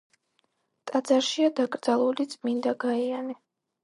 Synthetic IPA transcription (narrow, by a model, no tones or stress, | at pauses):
t̪ʼad̪zaɾʃiad̪akʼɾdzalˠulit̪sʼmind̪aɡaianɛ